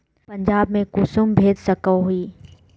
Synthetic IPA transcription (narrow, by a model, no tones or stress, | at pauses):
pɐ̃ɲd͡ʒaːbmẽkʊsʊmbʱeːd̪sɐkəɦʊiː